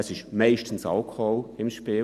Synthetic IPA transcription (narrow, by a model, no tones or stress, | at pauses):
ɛsɪʃmɛɪʃtən̩sa̰lkʰɔʊɪmʃpiː